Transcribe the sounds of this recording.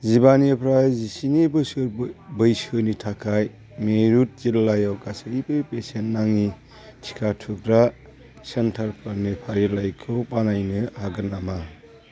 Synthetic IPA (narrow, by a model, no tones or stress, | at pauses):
zibanipʰɾajzisinibɯsɯɾbɯjsɯnitʰakʰaj | meɾut̚zillajawkasɯibɯjpesenːaŋni | tʰi̥kʰatʰuk̚ɾa | sentʰaɾpʰaɾnipʰaɾilajkʰɯpanajnɯhaɡɯnːama